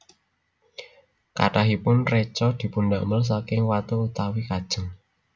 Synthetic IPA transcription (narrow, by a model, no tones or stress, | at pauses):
ka̰ʈaɦipʊnret͡ʃɔd̪̥i̤punɖaʔməls̬akɪŋwat̪uut̪awikad̥ʒ̥ə̤ŋ